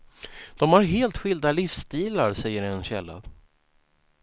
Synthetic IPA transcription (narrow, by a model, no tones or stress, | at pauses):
d̪̥ɔmhaɾɦeːlt̪ɧɪld̪alɪfst̪iːlaɾsɛjːəɾɛnɕɛlːa̰